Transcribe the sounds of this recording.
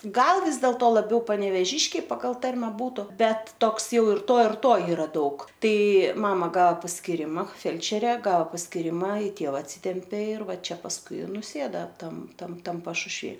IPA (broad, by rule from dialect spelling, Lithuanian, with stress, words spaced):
ˈɡɐlˠ ˈʋʲɪs dʲeːlˠtoː lˠɐˈbʲɛʊ pɐnʲɛʋʲeːˈʒʲɪʃʲkʲɛɪ ˈpɑːɡɐlˠ ˈtɐrʲmʲɛ ˈbuːtʊ ˈbʲɛt ˈtoːks ˈjɛʊ ɪr ˈtoː ɪr ˈtoː ˈiːrɐ ˈdɐʊk ˈtɐɪ ˈmɑːmɐ ˈɡɐoː pɐsʲkʲɪˈrʲɪmɐ ˈfʲɛlʲt͡ʃʲɛrʲɛ ˈɡɐoː pɐsʲkʲɪˈrʲɪmɐ ɪ ˈtʲeːʋɐ ɐtʲˈsʲiːtʲɛmʲpʲeː ɪr ˈʋɐ ˈt͡ʃʲɛ pɐsˈkʊɪ ɪ nʊˈsʲeːdɐ ˈtɐm ˈtɐm ˈtɐm pɐʃʊʃʲˈʋʲiː